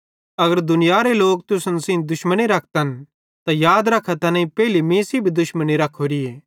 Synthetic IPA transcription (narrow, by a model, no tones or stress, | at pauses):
ɐɡəɾd̪ʊnɪjaɾeloːk̚t̪ʊsənsĩnd̪ʊʃməniɾɐk̚ʰt̪ɐn | t̪ajaːd̪ɾɐkʰːat̪ɐnãːĩpɛːɪlimĩːsibʱid̪ʊʃməniɾɐkʰːoːɾieː